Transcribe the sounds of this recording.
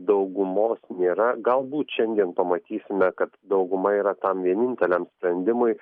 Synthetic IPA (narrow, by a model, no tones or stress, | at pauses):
d̪ɐʊɡʊmoːsnʲeːɾɐɡɐlˠbuːt̪ʃʲɛnʲd̪ʲiɛnpɐmɐt̪ʲiːsʲɪmʲɛkɐt̪d̪ɐʊɡʊmɐiːɾɐt̪ɐmʋʲiɛnʲɪnʲt̪ʲɛlʲɛmsʲpʲɾʲɛnʲd̪ʲɪmʊɪ